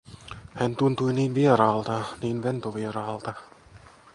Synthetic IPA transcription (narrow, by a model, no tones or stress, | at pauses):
hænt̪unt̪ujniːnʋieɾɑːlt̪ɑniːnʋent̪oʋieɾɑːlt̪ɑ